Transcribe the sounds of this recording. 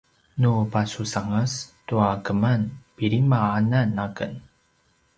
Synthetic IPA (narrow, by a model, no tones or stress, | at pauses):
nupasusaŋastuakəmanpiɾimaananːakə̰n